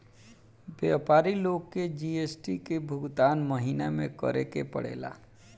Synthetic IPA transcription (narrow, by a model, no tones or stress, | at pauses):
bjapaːɾiloːɡked͡ʒiesʈikebʱʊɡt̪aːnməɦinamḛ̃kə̰ɾekepə̰ɽ̤ḛːla̰